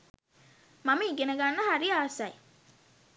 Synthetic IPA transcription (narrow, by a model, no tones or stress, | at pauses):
maməiɡenəɡanːəɦaɾiaːsaj